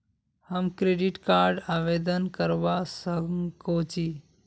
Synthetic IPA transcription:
həmkɾeɖiʈkaːɾɖaːʋed̪ənkəɾʋasəkŋkot͡ʃi

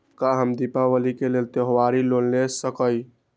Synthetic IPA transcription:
kaɦəmd̪ipaʋəlikelelt̪eɦʋaɾilolnesəkəj

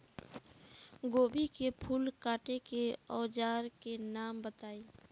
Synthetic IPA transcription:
ɡoːbikepʰuːlkaːʈekeɔːd͡ʒaːɾkenaːmbət̪aːiː

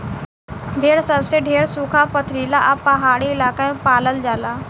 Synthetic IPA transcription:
ɖʱeːɾsəbseɖʱeːɾsuːkʰapət̪ʰɾiːlaʔɐbpːɐɦaːɽiɪlaːkaẽpaːləld͡ʒaːlaː

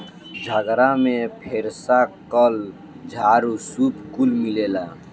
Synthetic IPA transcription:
d͡ʒʱəɡɾamẽpʰeɾsakəl | d͡ʒʱaɾusupkulmilela

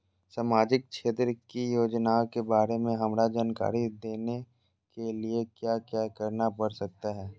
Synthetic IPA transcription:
saːmaːd͡ʒɪk̚ʃeːt̪ɾəkijoːd͡ʒnaokebaːɾemẽɦɐmɾad͡ʒaːnka̰ːɾid̪eːne | keliekjaːkjaːkəɾnapɐɾsɐk̚t̪aɦɛː

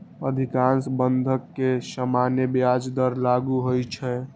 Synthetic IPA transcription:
əd̪ʱikansbənd̪ʱəkːesəmanjəbjad͡ʒd̪əɾlaɡuɦojt͡ʃʰɛ

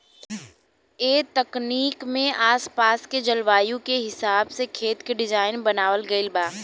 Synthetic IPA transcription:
eːt̪ɐkniːkmẽʔaːspaːsked͡ʒɐlʋaːjõkeɦɪsaːbsekʰeːt̪keɖɪd͡ʒaːɪnbɐnaːʋəlɡɐɪlbaː

